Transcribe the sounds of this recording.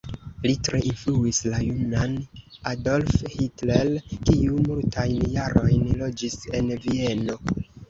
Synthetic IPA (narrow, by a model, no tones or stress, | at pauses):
litɾeʔinfluislajunanado̞lfhitlelkiumultʰajnjaɾo̞jnlo̞d͡ʒise̞nvie̞no̞